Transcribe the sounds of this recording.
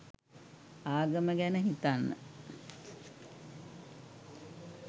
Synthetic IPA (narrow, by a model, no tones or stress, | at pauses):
aːɡəməɡænəɦit̪anːə̰